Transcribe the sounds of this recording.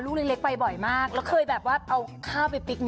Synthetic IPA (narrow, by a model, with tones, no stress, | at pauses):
luː˥˩le˦˥le˦k̚pa˧jbɔ˨˩jmaː˥˩k̚lɛː˦˥wkʰɤː˧jbɛː˨˩p̚waː˥˩ʔa˧wkʰaː˥˩wpa˧jpi˦˥k̚n